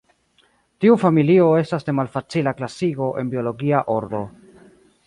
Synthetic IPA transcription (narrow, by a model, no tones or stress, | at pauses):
tiufamilio̞e̞stasde̞malfat͡silaklasiɡo̞ʔe̞̰nbio̞lo̞ɡiaʔo̞ɾdo̞̰